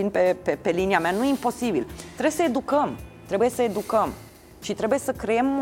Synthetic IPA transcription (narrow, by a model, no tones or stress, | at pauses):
inpepepe̞liniameanujimpo̞sibilt̪ɾebjesəe̞d̪ukəmt̪ɾe̞buje̞səe̞d̪ukəm | ʃit̪ɾebuje̞səkɾeemː